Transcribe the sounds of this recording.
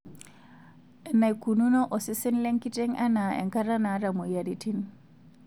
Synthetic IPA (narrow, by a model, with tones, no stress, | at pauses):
ɛ˨na˨jku˨nu˦no˦ʔɔ˨si˦sɛ˦nle˦ŋki˦tɛ˦ŋa˦na˨ɛ̰˨ŋka˦ɾa˦na˨˦ɾa˨mo˨ja˨ɾi˨ti˦n